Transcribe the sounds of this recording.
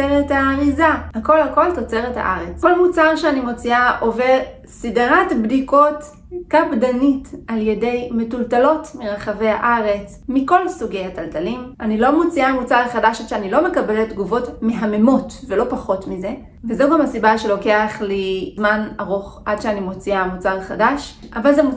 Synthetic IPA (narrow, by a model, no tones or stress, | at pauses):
eʁetaʁizahako̞lhako̞lto̞t͡se̞ʁetha̰ʔaʁet͡sko̞lmut͡saʁʃeanimo̞t͡siaʔo̞veʁ | sidʁatbdiko̞t | kapdanitaljede̞jmetultalo̞tmiʁaχave̞ha̰ʔaʁe̞t͡s | miko̞lsuɡe̞jhataltalimʔanilo̞mot͡siamut͡saʁχadaʃadʃeanilo̞me̞kabeletdɡuvo̞tmeɦame̞mo̞tvelo̞paχo̞tmize̞ | vezeuɡamasibaʃe̞lo̞ke̞aχlizmanaʁoχʔadʃeanimo̞t͡siamut͡saʁχadaʃʔavalzemu